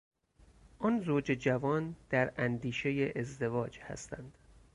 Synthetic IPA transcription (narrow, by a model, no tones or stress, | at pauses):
ʔɒːnzoːd͡ʒed͡ʒævɒːnd̪̥æɾænd̪iːʃe̞jeʔezd̪e̞vɒːd͡ʒhæ̰st̪ænd̪̥